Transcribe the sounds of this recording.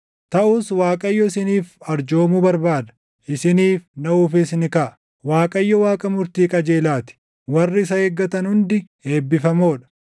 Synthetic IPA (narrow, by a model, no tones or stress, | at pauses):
t̪ɐʔʊswaːkʼɐjːɔɪsɪniːfɐɾd͡ʒo̞ːmubɐɾbaːd̪ɐ̥ | ʔɪsɪniːfnɐuːfɪsnɪkɐʔɐ̥ | waːkʼɐjːɔwaːkʼɐmʊɾt̪iːkʼɐd͡ʒeːlaːt̪ɪ̥ | wɐrːɪɪs̬ɐheːɡːɐt̪ɐnhʊnd̪ɪ | e̞ːbːɪfɐmo̞ːᶑɐ̥